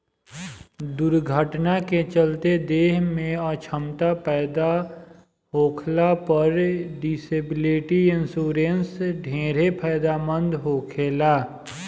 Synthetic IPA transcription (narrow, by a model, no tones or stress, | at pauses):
d̪ʊɾɡʱəʈnaket͡ʃəlt̪ed̪eːɦmẽat͡ʃʰəmt̪apɛːd̪a | ɦoːkʰlapəɾɖɪseːbɪleːʈiɪnsuːɾensɖʱẽːɾepʰɛːd̪aːmə̃nd̪ɦoːkʰeːlaː